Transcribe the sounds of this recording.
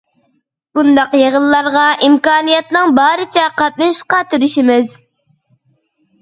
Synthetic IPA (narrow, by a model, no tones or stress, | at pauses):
b̥und̪ɑqjeʁəlːˠɑɾʁɑʔimkɑːnijɛt̪nɨŋbɑːɾɨt̪ʰɛqɑt̪̚nɨʃqɑt̪ɨɾɪʃimɪz̥